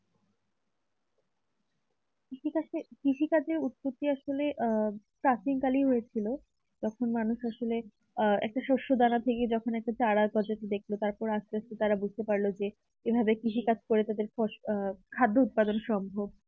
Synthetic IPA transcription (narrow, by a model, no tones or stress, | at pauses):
kiʃikat͡ɕekɾiʃikad͡ʑeɾut̪̚pot̪ːiaʃoleʔpɾasiŋkaliɦojet͡ɕʰilo | d͡ʑɔkʰonmanuʃaʃole | ɛ̰k̚ʈaʃoʃod̪anat̪ʰeked͡ʑɔkʰonɛk̚ʈat͡ɕaɽakɔɾd͡ʑat̪id̪ekʰlot̪aɾpɔɾast̪east̪et̪aɾabud͡ʑʱt̪epaɾlod͡ʑe | ebʱabekɾiʃikad͡ʑʰkoɾet̪ad̪eɾɔʃkʰad̪ʱːout̪̚pad̪onʃɔmbʱob̚